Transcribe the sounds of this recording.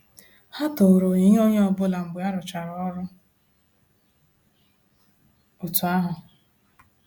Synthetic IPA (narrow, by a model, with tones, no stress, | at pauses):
ha˦to˨ɾo˨ɲi˦ɲ˦o˦ɲe˦ɔ˦bʊ˦la˨m̩˨ɡ͡be˨˦a˦ɾʊ˨t͡ʃa˨ɾɔ˦ɾʊ˦ | ʊ˨tʊ˨a˦ɦʊ˨